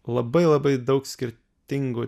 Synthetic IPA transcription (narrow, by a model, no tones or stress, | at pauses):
lˠɐbɐɪlˠɐbɐɪd̪ɒʊksʲkʲɪɾʲ | t̪ʲɪŋɡʊ